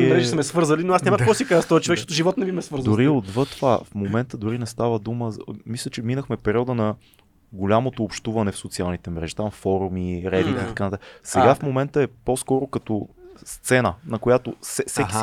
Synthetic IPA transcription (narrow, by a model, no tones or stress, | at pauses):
ɾɛʒɛsmɛsvɤɾzəlinoasnɛməkkɔsikazəst̪ɔət͡ʃovɛkʃt̪ɛt̪ʊʒivɔt̪nɛvimɛsvɤɾzd̪oɾiod̪vɤt̪ovafmomɛnt̪əd̪ʊɾinɛst̪avəd̪uməzmislʲət͡ʃɛminəxmɛpɛɾiɔd̪ənɐ | ɡolʲamot̪oːpʃt̪uvɐnɛfsot̪sialˠnit̪ɛmɾɛ̰ʒi̥t̪amfɔɾumiɾɛbit̪it̪ɐ̥kanət̪asɛɡafmomɛnt̪əɛposkɔɾokɐt̪ɔst̪sɛnənɐkojat̪osɛsɛkʲi̥